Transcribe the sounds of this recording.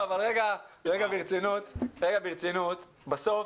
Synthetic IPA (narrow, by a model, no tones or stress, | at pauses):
avalʁeɡaʁeɡabiʁt͡sinut̪ʁeɡabiʁt͡sinut̪ | baso̞f